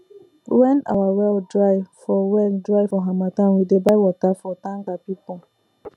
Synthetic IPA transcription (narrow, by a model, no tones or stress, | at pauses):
wɛna̰wawɛldɾaɪfɔwɛldɾaɪfɔɦamatãnwidebaɪwɔtafɔtãŋɡapipɔ